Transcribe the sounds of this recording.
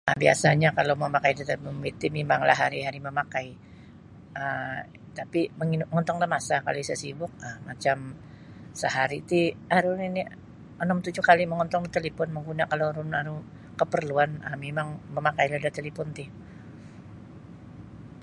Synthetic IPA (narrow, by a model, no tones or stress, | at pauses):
abia̰saɲakalowməmakajdat̪ɔnbit̪ɪmemaŋla̰ɦaɾiɦaɾiməmakai | ə | t̪apiməŋiŋɔnt̪ɔŋlamasaka̰lisəsibʊk̚əhmat͡ʃam | səɦaɾit̪iaɾunini | ɔnɔmt̪ud͡ʒʊkaliməŋɔnt̪ɔŋdat̪əlipɔnməŋɡunakaloɾunaɾu | kəpərluanə̰memaŋməmakajladat̪elifɔnt̪ɪ